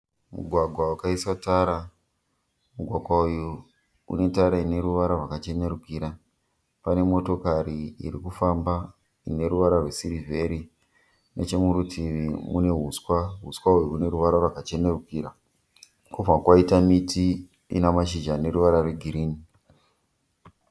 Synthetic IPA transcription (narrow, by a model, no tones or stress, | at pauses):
mṵɡʱwaɡʱwaukaisataɾa | muɡʱwaɡʱwauju | ṵne̞taɾaine̞ɾuʋaɾarwakat͡ʃe̞ne̞ɾukiɾa | pane̞mo̞to̞kaɾiḭɾikufamba | ine̞ɾuʋaɾarwesiɾivʱe̞ɾi | nḛt͡ʃe̞muɾutʰiimune̞ɦuskwaɦuskwaujuune̞ɾuʋaɾarwakat͡ʃe̞ne̞rukiɾa | kuvʱakwaitamiti | ḭnamaʃid͡ʒane̞ɾuʋaɾarweɡʱiɾiːni